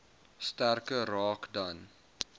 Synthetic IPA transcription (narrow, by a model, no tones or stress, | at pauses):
stærkəɾɑːkdɐn